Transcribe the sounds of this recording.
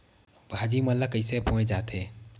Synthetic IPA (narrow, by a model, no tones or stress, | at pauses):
bʱaːd͡ʒimɐlːakəisepũːẽd͡ʒaːt̪eː